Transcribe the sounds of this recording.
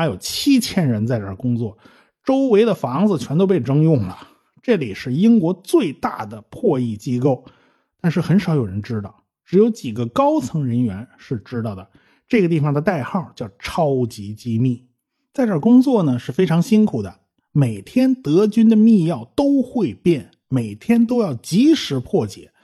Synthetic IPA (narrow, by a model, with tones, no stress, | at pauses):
a˥jo˨˩ʊt͡ɕʰi˥t͡ɕʰjɛ˥nɻə˧˥nt͡sa˥˧ɪʈ͡ʂə˞˥˩kʊ˥ŋt͡swɔ˥˩ | ʈ͡ʂo˥ʊwe˧˥ɪd̪ə˨fɑ˧˥ŋd͡zɹ̩˧˨t͡ɕʰɥɛ˧˥nt̪o˥ʊp̬e˥˩ɪʈ͡ʂɤ˥ŋjʊ˥˩ŋlə˩ | ʈ͡ʂɤ˥˩li˨˩ʂɻ̩˥˩i˥ŋkwɔ˧˥t͡swe˥˧ɪt̪a̰˥˩d̪ə˩pʰwɔ˥˧i˥˩t͡ɕi˥ko˥˩ʊ | t̪a˥˧nʂɻ̩˥˩xə˧˥nʂɑ˨˧˥ʊjo˨˩ʊɻə˧˥nʈ͡ʂɻ̩˥t̪ɑ˥˩ʊ | ʈ͡ʂɻ̩˧˥jo˧˥ʊt͡ɕi˨˩ɡə˦kɑ˥ʊt͡sʰɤ˧˥ŋɻə˧˥nɥɛ˧˥nʂɻ̩˥˩ʈ͡ʂɻ̩˥t̪ɑ˥˧˩ʊd̪ə˩ | ʈ͡ʂɤ˥˩ɡə˩t̪̬i˥˩fɑ˨˩ŋd̪ə˩t̪a˥˧ɪxɑ˥˩t͡ɕjɑ˥˩ʊʈ͡ʂʰɑ˥ʊt͡ɕi˧˥t͡ɕi˥mi˥˩ | t͡sa˥˧ɪʈ͡ʂə˞˥˩kʊ˥ŋt͡swɔ˥˩nə˩ʂɻ̩˥˩fe˥ɪʈ͡ʂʰɑ˧˥ŋɕi˥nkʰu˨˩d̪ə˦ | me˨˩ɪt̪ʰjɛ˥nt̪ɤ˧˥t͡ɕy˥nd̪ə˨mi˥˧jɑ˥˩ʊt̪o˥ʊxwe˥˧ɪpjɛ˥˩n | me˨˩ɪt̪ʰjɛ˥nt̪̬o˥ʊjɑ˥˩ʊt͡ɕi˧˥ʂɻ̩˧˥pʰwɔ˥˩t͡ɕjɛ̰˨˩˦